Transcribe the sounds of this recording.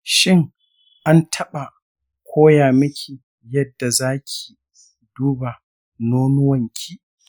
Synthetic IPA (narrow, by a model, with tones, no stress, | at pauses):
ʃɪ˦ŋ | ʔa˦ntʰɐ˦ɓa˨ | kʷʰoː˦jaː˨mɐ˦kʲʰi˨ | jɐ˦dːa˨zaː˦kʲʰi̥˨ | duː˦ba˨ | noː˦nʊ˦wɐ˨ŋkʲʰiː˦